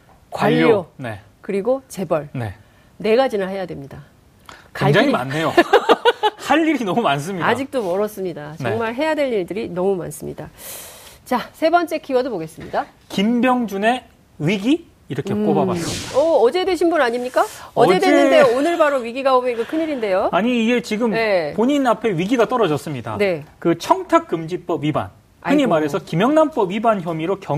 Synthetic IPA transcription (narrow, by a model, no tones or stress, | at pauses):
kwaʎːone̞̰ | kɯɾiɡot͡ɕe̞bʌɭne̞̰ | ne̞ɡad͡ʑinahe̞jadwe̞mɲida | keŋd͡ʑaŋima̰nːejo | haʎːiɾinʌmumans̬͈ʰɯmɲiad͡ʑik̚t͈omʌɾʌs͈ɯmɲidat͡ɕʌŋmaɭɦe̞jadwe̞ʎiɭdɯɾinʌmuma̰ns͈ɯmɲida | t͡ɕasʰe̞bʌnt͡ɕ͈e̞kʰiwʌdoboɡe̞s͈ɯmɲida | kimbjʌŋd͡ʑune̞ | ɥiɡiː | ɾʌkʰe̞k͈obaa̰s͈ɯmidaʌʌd͡ʑe̞dwe̞ɕʰinbunaɲimɲik͈aʌedenːɯnde̞onɯɭbaɾoɥiɡiɡaomjʌɡʌkʰɯɲiɾinde̞joaɲiːɡe̞t͡ɕiɡɯmne̞poɲinapʰe̞ɥiɡiɡat͈ʌɾʌd͡ʑʌs͈ɯmɲida̰ne̞kɯt͡ɕʰʌŋtʰak̚k͈ːɯmd͡ʑip͈ʌbɥiba̰n | kɯɲimaɾe̞sʰʌkimjʌŋnamp͈ʌbɥibançjʌmiɾokjʌ